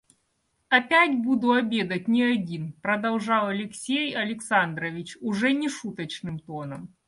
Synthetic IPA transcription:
ɐpʲætʲbud̪ʊɐbʲed̪ɐt̚ʲnʲɪɐdʲinpɾɐd̪ɐlˠʐɑwˠɐlʲɪksʲejɐlʲɪksand̪ɾɐvʲit͡ɕʊʐɛnʲɪʂut̪ɐt͡ɕnɨmt̪onɐm

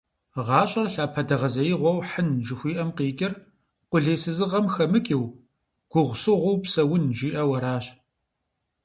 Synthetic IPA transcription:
ʁɑːɕʼɐrɬaːpʰɐdɐʁɐzɐjɪʁʷɔwħənʒɪxʷiːʔɐmqeːkʲʼɪr | qʷʊɮeːsɨzɨʁɐmxɐmɨkʼiw | ɡ̥ʷʊʁʷsɨʁʷʊwpsɐwʊnʒiːʔɐwɐɾaːɕ

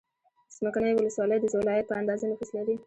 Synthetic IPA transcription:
z̥məkaɳəjwʊləswɑləjd̪əzalɑjapəand̪ɑzanʊxəslawi

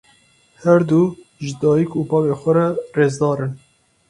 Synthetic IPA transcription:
hɛɾd̪u | ʒɨd̪ɑːjikuːpɑːveːxʷɛɾɛreːzd̪ɑːɾɨn

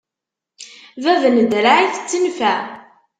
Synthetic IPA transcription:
vævnəd̪ɾaʕiθət͡sːənfæ

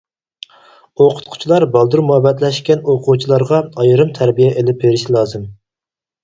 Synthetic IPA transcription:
oqʰʊ̥t̪̚qʰʊ̥t͡ʃʰilˠɑɾbɑlˠd̪uɾmuhɛbɛt̪lɛʃkʲɛnoqʰut͡ʃʰilˠɑɾʁɑɑjɨɾɨmt̪ʰæɾbijɛʔelɪp̚beɾɪʃlˠɑːzɨm

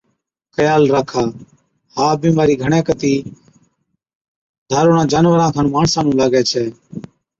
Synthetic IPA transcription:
xəjaːlɾaːkʰaː | haːbĩːmaːɾiːɡʱəɳ̃ɛ̃ːkət̪iː | d̪ʱaːɾoːɳãːd͡ʒaːnʋəɾãːkʰaːnmaːɳsãːnũːlaːɡɛːt͡ʃʰɛː

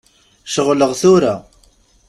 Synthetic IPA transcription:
ʃəʁləʁθʊɾa

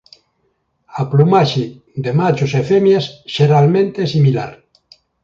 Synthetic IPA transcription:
aplumaʃi | d̪emat͡ʃosefemjasʃeɾalmẽnt̪eesimila̰ɾ

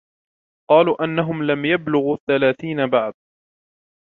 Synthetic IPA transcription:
qɑːluːʔanːaɦʊmlamjablʊɣuːθːalaːθiːnabaʕd̪̚

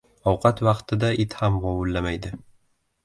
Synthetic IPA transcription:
ɒwqʰɑt̪vɑqt̪ʰɪd̪aɪt̪hamʁɒwʊlːamajd̪ɪ

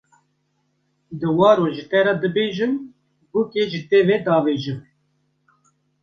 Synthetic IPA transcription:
d̪ɨwɑːɾoːʒɨt̪ɛɾɑd̪ɨbeːʒɨm | bukeʒɨt̪eːveːd̪ɑːveːʒɨm

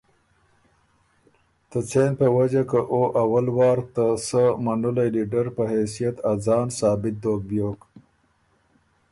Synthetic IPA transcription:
t̪ət͡senpəwad͡ʒakəʔoʔawalwɑːɾt̪asəmanulajliɖaɾpəɦesijat̪azɑːnsɑːbɪt̪̚d̪oːɡ̚bjoːk

